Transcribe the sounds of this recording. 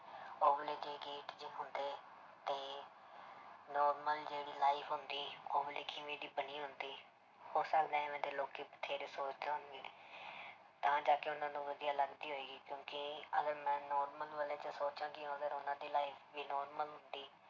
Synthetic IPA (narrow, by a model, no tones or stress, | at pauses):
oːbleːɡeːɡeːʈd͡ʒɪːɦʊnd̪eː | t̪eː | nɔːɾməld͡ʒeːɽiːlaːɪpʰɦʊnd̪iːoːbəliːkɪʋeːd̪iːbəniːɦʊnd̪iː | hoːɾsaːld̪ɛ̃ːɛ̃ːʋɛ̃ːnd̪eːloːkeːpə̥t̪ʰːeːɾeːsoːt͡ʃd̪eːɦʊnɡeː | t̪ãːd͡ʒaːkeʊnãːd̪ũːʋəd̪ijaːləɡd̪iːɦoːeːɡiːkjõːkɪəɡəɾmɛ̃ːnɔːɾməlʋəleːt͡ʃəsoːt͡ʃãːkɪ̃ːəɡəɾʊnãːd̪iːlaːipʰbiːnɔːɾməlɦʊnd̪iː